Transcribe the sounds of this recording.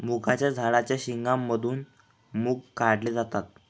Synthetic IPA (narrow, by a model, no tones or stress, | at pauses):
mukʰat͡ɕjad͡zʱaɭat͡ɕjaɕiŋɡamːəd̪ʱuːn | muːɡkaɽleːd͡zat̪at̪̚